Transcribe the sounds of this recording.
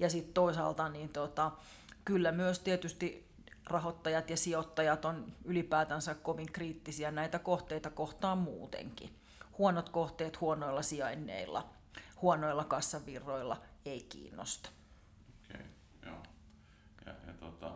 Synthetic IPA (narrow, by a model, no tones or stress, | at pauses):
jɑsit̪t̪oisɑ̰lt̪ɑniːnt̪ot̪ɑ | kylːæmyøst̪iet̪yst̪i | rɑhot̪ːɑjɑt̪jɑsiot̪ːɑjɑt̪onylipæːt̪ænsækkoʋiŋkriːt̪ːisiænæit̪ækoht̪eit̪ɑkoht̪ɑːmmṵːt̪ḛŋkḭ | huonot̪koht̪eːt̪huonoilːɑsiɑinːḛilːɑ̰ | huonoilːɑkɑsːɑʋirːoilːɑ̰eikḭːnːo̰st̪ɑ̥ | okḛ | jo̰ː | jɑ̰jɑ̰t̪ot̪ɑ̰